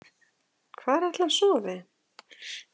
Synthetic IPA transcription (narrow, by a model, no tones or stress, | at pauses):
kʰvaːɾɛt̪lansɔːvɪ